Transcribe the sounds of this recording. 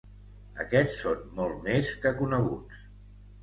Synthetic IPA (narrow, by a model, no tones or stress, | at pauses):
əkɛt͡sːonmɔlˠt̪meskəkunəɣ̞ut͡s